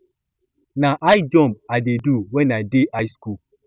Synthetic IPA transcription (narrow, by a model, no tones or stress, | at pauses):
naʔajd͡ʒɔ̃mb̚adeduwɛ̃najdeʔajsku